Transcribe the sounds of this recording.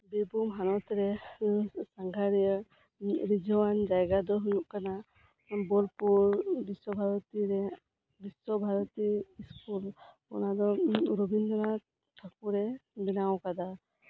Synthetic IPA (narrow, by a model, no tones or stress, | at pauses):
bibumɦanɔt̪ɾɛ | saŋɡʱaɾɛjə | ɾid͡ʒɔwand͡ʒajɡad̪ɔɦujuʔkana | bɔlpuɾbiswɔbʱaɾɔt̪iɾɛ | bisɔbʱaɾɔt̪iiskul | ɔ̰nad̪ɔɾobind̪ɔɾa | t̪ʰak̚uɾɛbinawkad̪a